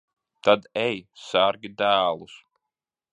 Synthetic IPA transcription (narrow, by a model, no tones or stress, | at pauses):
t̪ad̪ɛjsaɾɡʲid̪æːlˠus